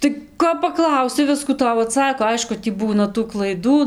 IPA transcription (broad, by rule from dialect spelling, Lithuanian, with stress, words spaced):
tɐɪ ˈkoː pɐˈklˠɐʊsʲɪ ˈʋʲɪskuː ˈtɐʊ ɐˈtsɑːkoː ˈɐɪʃkʊ tʲiː ˈbuːnɐ tuː klˠɐɪˈduː